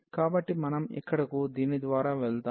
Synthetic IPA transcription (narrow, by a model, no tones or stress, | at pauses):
kaːbɐʈːimɐnɐmɛ̰kːɐɽɐkud̪iːnid̪ʋaːɾaːʋɛɭt̪a